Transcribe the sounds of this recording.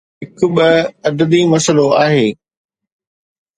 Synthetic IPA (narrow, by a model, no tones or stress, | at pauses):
ɦɪkʊ̆ɓɐɐd̪əd̪imɐsəloaːɦeː